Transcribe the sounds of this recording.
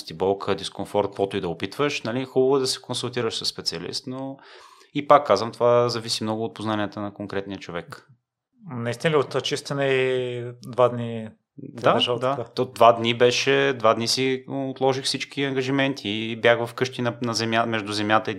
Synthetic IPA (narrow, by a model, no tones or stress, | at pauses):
st̪ibɔlˠkʰəd̪iskonfɔɾt̪̚kvɔt̪oid̪ɐʊpit̪vəʃnɐlixubəvʊd̪ɐsɛ̥konsulˠt̪iɾəʃsəsːpɛt̪siɐlḭst̪no | ipakːazvɐmt̪ovazɐvisimnɔɡʊːt̪̚poznaniət̪ənɐkoŋkɾɛt̪niət͡ʃovɛk | nɐist̪inəlʲiot̪ɐt͡ʃist̪ɛnəid̪vad̪ni | aʃad̪ak̪od̪vad̪nibɛʃɛd̪vad̪nisiot̪lˠɔʒixfsit͡ʃkiɐŋɡɐʒimɛnt̪ʰiːbjaxvɐfkɤʃt̪inɐnɐzɛmjamɛʒd̪ʊzɛmjat̪əi